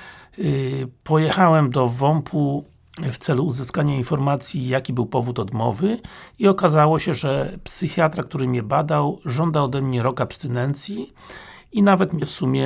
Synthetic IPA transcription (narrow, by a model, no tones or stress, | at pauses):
pɔjɛxawɛmd̪ɔvɔmpʰu | ft̪sɛluːzɘskaɲainfɔɾmat̪sʲjijakʲibɘwpɔvut̪ɔd̪mɔ̰vɘiɔkazawɔɕɛʐɛpsɘxʲjat̪ɾak̚t̪uɾɘmʲɲɛbad̪awʐɔnd̪aɔd̪ɛmɲɛɾɔkapst̪ɘnɛnt̪sʲji | inavɛt̪mʲɛfsumʲjɛ